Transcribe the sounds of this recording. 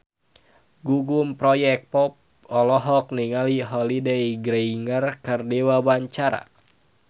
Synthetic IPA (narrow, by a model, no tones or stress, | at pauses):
ɡuɡumpɾɔjɛk̚pɔp̚ | ɔlɔɦɔk̚niŋaliɦɔlideiɡɾeiŋərkɨrdiwawaɲt͡ʃaɾa̰